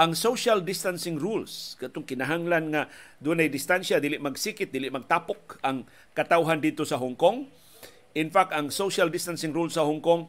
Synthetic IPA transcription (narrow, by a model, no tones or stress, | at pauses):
ʔaŋsoʃald̪ɪst̪ansɪŋɾulskat̪oŋkɪnaɦaŋlanŋad̪unajd̪ɪst̪anʃad̪iːlɪʔmaɡsikɪt̪̚d̪ilɪʔmaɡ̚t̪apok̚aŋ | kat̪awɦand̪ɪd̪̚t̪osaɦʊŋkoŋ | ʔɪnfak̚t̪aŋsoʃald̪ɪst̪ansɪŋɾulsahʊŋkoŋ